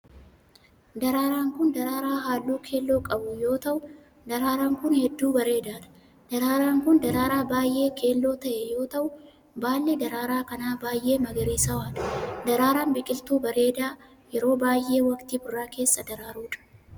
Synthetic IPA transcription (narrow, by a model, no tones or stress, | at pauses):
d̪ɐɾaːɾaːŋkʊnd̪ɐɾaːɾaːɦaːlːuːkʰe̞ːlːo̞ːkʼɐbʊjo̞ːt̪ɐʔʊ | d̪ɐɾaːɾaːŋkʊnhɛd̪ːuːbɐɾe̞ːd̪aːᶑ̪ɐ̥ | d̪̥ɐɾaːɾaːŋkʊnd̪ɐɾaːɾaːbaːjʔe̞ːkʰe̞ːlːo̞ːt̪ɐʔɛjo̞ːt̪ɐʔʊ | baːlːed̪ɐɾaːɾaːkɐnaːbaːjʔe̞ːmɐɡɐɾiːsɐwaːᶑ̪ɐ̥d̪ɐɾaːɾaːnbɪkʼɪlt̪uːbɐɾe̞ːd̪aː | jɛɾo̞ːbaːjʔe̞ːwɐkt̪ibʊrːaːke̞ːsːɐd̪ɐɾaːɾuːᶑɐ̥